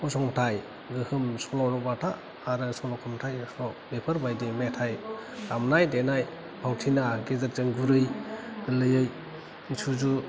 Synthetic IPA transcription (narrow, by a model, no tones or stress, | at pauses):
usʰɔŋtʰaj | ɡɯhɯmsɔnɔnɔbatʰaː | ɾɯsɔnɔkʰɔmtʰajsɔbepʰɯɾbajdimetʰajɾamnajdenaj | bʰʱawtʰinaɡezaɾ̚zɯŋɡuɾɯjɡɯlɯjɯj | nsʰuzu